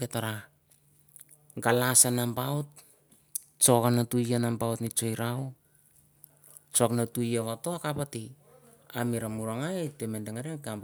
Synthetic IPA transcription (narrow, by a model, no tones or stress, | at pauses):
ketaɾa | ɡalasanambaot̚ | t͡ʃokanatujanambaotnit͡ʃo̞jɾao | t͡ʃoknatujaβatoakapati | amiɾamuɾaŋatemendeŋaɾekam